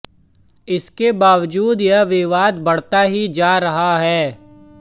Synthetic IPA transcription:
ɪskebaːʋd͡ʒuːd̪jɐʋɪʋaːd̪bɐɽ̤t̪aɦid͡ʒaːɾɐɦaɦɛː

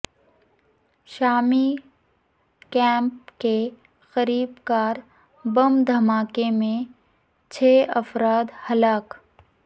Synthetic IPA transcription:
ʃaːmi | kɛ̃ːmpke | xəɾiːbkaːɾ | bɐmd̪ʱɐmaːkemẽ | t͡ʃʰeːɐfɾaːd̪hɐlaːk

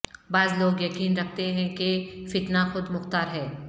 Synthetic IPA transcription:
baːzloːɡjɐkiːnɾɐk̚ʰt̪eɦɛ̃kefɪt̪naxʊd̪mʊxt̪aːɾɦɛː

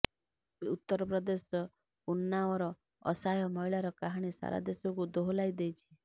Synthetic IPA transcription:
ut̪ːɔɾɔpɾɔd̪esɔ | unːaɔɾɔ | ɔ̰sajɔmɔjɭaɾɔkaɦaɽ̃isa̰ɾa̰d̪esɔkud̪oɦlajd̪ejt͡ʃʰi̥

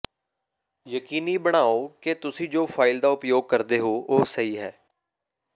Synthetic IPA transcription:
jəkiːniːbəɽ̃aːoːket̪ʊsĩːd͡ʒoːpʰaːɪld̪aːʊpjoːɡ̚kəɾd̪eːɦoːʔoːsəiːɦɛː

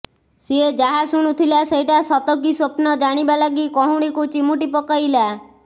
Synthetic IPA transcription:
sied͡ʒaɦasuɽ̃ut̪ʰilasejʈasɔt̪ɔk̬isopnɔd͡ʒaɽ̃ibalaɡikɔɦũɽ̃ikut͡ʃimuʈipɔkajla

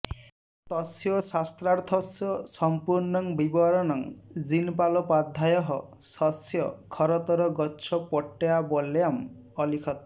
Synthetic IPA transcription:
t̪ɔsjɔsast̪ɾaɾt̪ʰɔsjɔsɔmpuɾnɔŋbibɔɾɔnɔŋd͡ʒinpalɔpad̪ʱːajɔɦɔ | sɔsjɔkʰɔɾɔt̪ɔɾɔɡɔt͡ʃʰɔpɔʈːejabɔlejam | ɔlikʰɔt̪

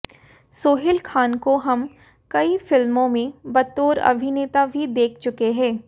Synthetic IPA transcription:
soːɦɪlkʰaːnkoɦɐm | kɐifɪlmõmẽbɐt̪ːoːɾɐ̰bʱineːt̪abʱid̪eːkʰt͡ʃʊkeɦɛ̃ː

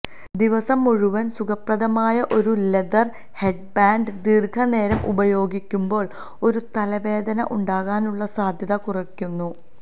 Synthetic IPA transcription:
d̪iʋɐsɐmːuɻuʋɐnsuɡɐprɐðɐmaːjɐʔo̞ɾule̞d̪ɐr | he̞ɖbaːɳɖɨd̪irkʰɐne̞ːɾɐmʔṵbɐjo̞ːɡikʲːumbo̞ːɭ | o̞ɾut̪ɐlɐʋe̞ːd̪ɐnɐ̰ʔuɳɖaːɣaːnuɭːɐsaːd̪ʱjɐðɐkurɐkʲːunːu

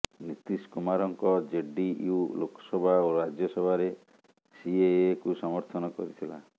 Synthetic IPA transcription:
nit̪iskumaɾɔŋkɔd͡ʒeɖijulokʰɔ̥sɔbʱaoɾad͡ʒjɔsɔbʱaɾe | siekusɔmɔɾt̪ʰɔnɔkɔ̰ɾit̪ʰila

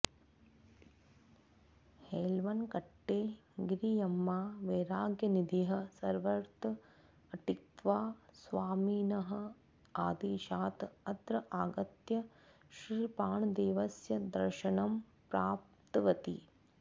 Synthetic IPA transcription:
heːlʋɐnkɐʈːeːɡɾijɐmːaːʋeːɾaːɡjɐnid̪iɦɐ̆sɐɾʋɐɾt̪ | ɐʈikt̪ʋaːsʋaːmiːnɐɦɐ | aːd̪iːʃaːt̪ɐd̪ɾɐʔaːɡɐt̪jɐ | ʃɾiːpaːɳd̪eːʋɐsjɐd̪ɐ̰ɾʃɐnɐm | pɾaːp̚ | t̪ʋɐt̪ḭ

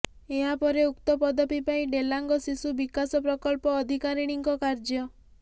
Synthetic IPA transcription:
eɦapɔɾeukt̪ɔpɔd̪ɔpipaĩɖelaŋɡɔsisubikasɔpɾɔkɔlpɔːd̪ʱikaɾiɽ̃iŋkɔkaɾd͡ʒjɔ

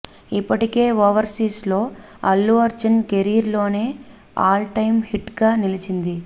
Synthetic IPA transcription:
ipːɐʈike̞ːʋoːʋɐɾsiːslo̞ːɐlːuɐɾd͡ʒɐnkeɾiːɾlo̞ːne̞ː | aːlʈɐjmhiʈɡaːnilit͡ʃind̪i

